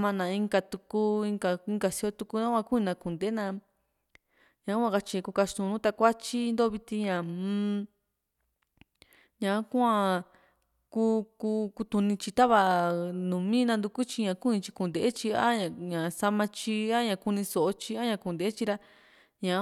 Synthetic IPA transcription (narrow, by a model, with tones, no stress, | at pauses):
mã˧nã˧ĩ˧ŋɡa˧t̪u˧ku˦ĩ˧ŋɡa˧i˧ŋɡa˧si˧o˧t̪u˧ku˧nã˦kʷã˧ku˦ĩ˧nã˧ku˨nd̪e˨˦nã˧ | ɲã˨˦kʷã˦˧ka˧t͡ʃi˧ku˧ka˧ʃt̪ũ˧nũ˦t̪a˧kʷa˦t͡ʃi˦˧nd̪o˦βi˧t̪ĩ˧ɲã˨˧ | ɲã˨˦kʷã˧ | ku˦ku˧ku˧t̪u˧nĩ˧t͡ʃi˧t̪a˦βa˧nũ˨mĩ˦nã˧nd̪u˧ku˦t͡ʃi˧ɲã˧ku˦ĩ˧t͡ʃi˧ku˨nd̪e˨e˦t͡ʃi˧a˦ɲã˨ɲã˨sa˧mã˧t͡ʃi˧a˦ɲã˨ku˧nĩ˧so˨ʔo˦t͡ʃi˧a˦ɲã˧ku˧˨nd̪e˨e˦t͡ʃi˧ɾa˧ | ɲã˨˦